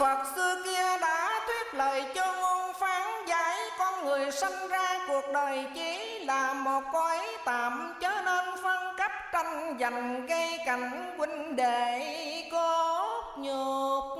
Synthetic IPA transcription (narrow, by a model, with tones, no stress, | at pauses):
və˨˩t̚sɨ˧ki˧əɗaː˧˦t̪ʰwi˦˥ət̚ləː˨˩jt͡ɕɔ˧ŋo˧nfaː˨˦ŋzaː˨˦jkɔ˧nŋɨ˨˩əjsa˧ŋzaː˧ku˨˩ək̚ɗəː˨˩jt͡ɕi˨˦ | laː˨˩mo˨˩t̚kɔ˧˨˦jt̪aː˨˩mt͡ɕəː˨˦ne˧nfə˧nkə˦˥p̚t͡ɕa˧jŋ̟za˨˩jŋ̟ɣə˧jka˨˩jŋ̟ | kwï˧ŋɗe˧˩ko˨˦ | ɲu˨˩k̚